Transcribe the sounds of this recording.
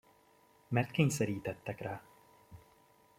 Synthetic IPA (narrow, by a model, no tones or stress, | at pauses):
mɛrt̪keːɲsɛɾiːt̪ɛt̪ːɛkraː